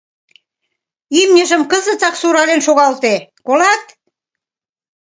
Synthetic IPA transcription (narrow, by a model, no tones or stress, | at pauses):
imnʲə̆ʒə̆mkəzə̆t͡sɑksuɾɑlenʃoɣɑlt̪ekolɑt̪